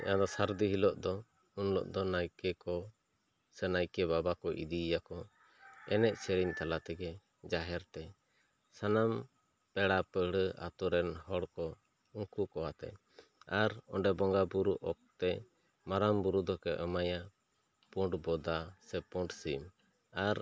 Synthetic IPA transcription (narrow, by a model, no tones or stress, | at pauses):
ɛ̰ad̪ɔsaɾd̪iɦilɔʔd̪ɔ | unlɔ̰ʔd̪ɔnajkɛkɔ | sɛnajkɛbabakɔʔḭd̪ijakɔ | ɛnɛʔsɛɾiɲt̪alat̪ɛɡɛ | d͡ʒaɦɛɾt̪ɛ | sanam | pɛɽapəɽəa̰t̪uɾɛnhɔɽkɔ | uŋkukɔat̪ɛ̰ | aɾɔ̰ɳɖɛbɔŋɡabuɾuʔɔk̚t̪ɛ | maɾambuɾud̪ɔkɛʔəmaja | puɳɖbɔd̪asɛpɔ̃ɳɖsim | aɾ